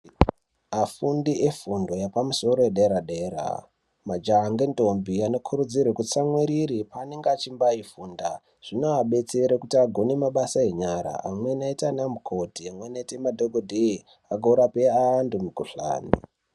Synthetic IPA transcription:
afundiʔefundo̞japamuso̞ɾo̞eɗeɾaɗeːɾa̰ | mad͡ʒaŋɡento̞mbiano̞kʰuɾud͡zirwekut͡samwiɾiɾipaːne̞ŋɡeat͡ʃimbaifuːnda | ʐ̥inoaɓe̞t͡se̞ɾekutiaɡʱo̞nimaɓasaeɲaɾa̰ʔamwe̞naitanamukʰo̞tiamwenaitemadʱoɡʱodʱei | aɡʱouɾape̞aːndumukuɬa̰ːnḭ

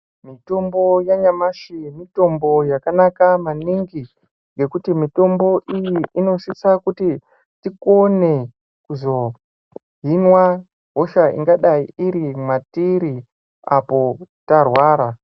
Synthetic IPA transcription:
mito̞mbo̞jaɲamaʃimito̞mbo̞jakanakamaniŋɡi | ŋɡe̞kutimito̞mbo̞ʔijiʔːno̞sisakuti | tiko̞ne | kuzo̞ | ɦinwa | ɦoʃaḭŋɡaɗaiiɾimatiɾi | a̰po̞tarwaːɾa

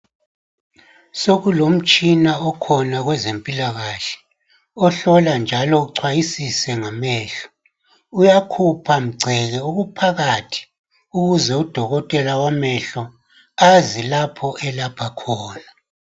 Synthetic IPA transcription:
soɣulom̩t͡ʃʼinaɔkʰɔnaɣwɛzempʼilaɣaɬɛ̥ | ɔɬɔland͡ʒʱalɔuǀʰwajisisɛŋamɛːɬɔ̥ | ujakʰupʰam̩ɡ͡ǀʱɛɣɛuɣupʰaɣatʰi̥ | uɣuzɛud̥ʱɔɣɔtʼɛlawamɛɬɔ | azilapʰɔʔɛlapʰakʰɔːna

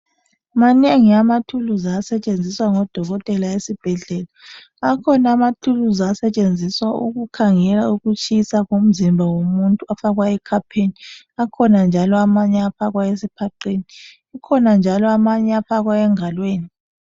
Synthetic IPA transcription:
maneŋiamatʰuluzasɛt͡ʃʼend͡zʱiswaŋɔd̥ʱɔɣɔtʼɛlaesib̥ʱɛɮɛla | akʰɔnaamatʰuluzasɛt͡ʃʼend͡zʱiswaṵɣukʰaŋɛlauɣut͡ʃʼisaɣom̩zimbʱawomuntʼuafaɣwaɛkʰapʰeni | akʰɔnand͡ʒʱalɔamaɲɛaɸaɣwaesipʰaǃeniː | kʰɔnand͡ʒʱalɔamaɲɛapaɣwaɛŋalweːni

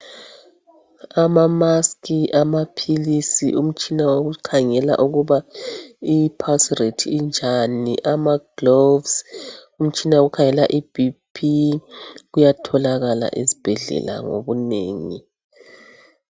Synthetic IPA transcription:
amamaskʰiʔamapʰilisiʔum̩t͡ʃʼinawoɣukʰaŋɛla̰ʔuɣuβa | ipʰasretʰiːnd͡ʒʱaniʔamaɡ̥lovsum̩t͡ʃʼinaoɣukʰaŋɛlaʔibipʰi | ɣujatʰɔlaɣala̰ʔezib̥ʱɛɮɛ̰la̰ŋo̰βuneːŋḭ

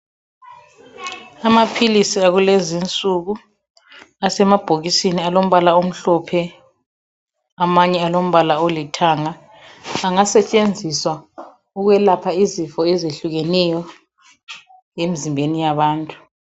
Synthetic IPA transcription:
amapʰilisiaɣulezint͡sʼuɣu | asɛmab̥ʱoɣisinialom̩βalaom̩ɬɔpʰɛ | amaɲɛalom̩βalaolitʰaŋa | aŋasɛt͡ʃʼend͡zʱiswa | uɣwɛlapʰaizifɔɛzeɬuɣɛnɛjɔ | emizimbʱenijaβaːntʼu̥

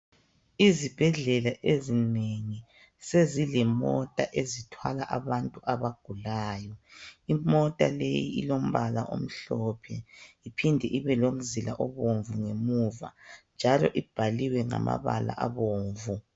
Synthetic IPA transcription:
izib̥ʱɛɮɛlaʔezineŋi | sezilɛmɔtʼaʔezitʰwalaʔaβantʼuʔaβaɡ̥ʱulaːjɔimɔtʼa̰lejḭḭlom̩βalaʔo̰m̩ɬɔːpʰɛipʰindʱɛʔiβɛlom̩zilaʔɔβoɱvuŋemuːva̰nd͡ʒʱalɔ̰ʔib̥ʱaliwɛŋa̰ma̰βa̰la̰ʔaβoːɱvu

